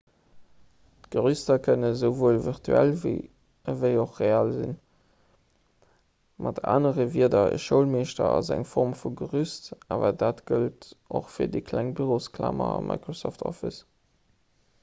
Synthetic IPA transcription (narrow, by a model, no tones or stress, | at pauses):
tɡ̥əʁystɐkʰənəzəʊvoːlviʁtʰyælv | əvəɪoχʁeaːlzḭn | mʔɑtʰa̰ːnəʁəviədɐə̰ʃəʊlmeːʃtɐɑzæŋfɔʁmfuɡəʁystʔaːvɐdaːtɡ̥əltʔo̰χfiːɐdəkʰlæŋbyʁoːskʰla̰ːmɐɑmʔɑ̰ɪkʁosoftʰɔfḭs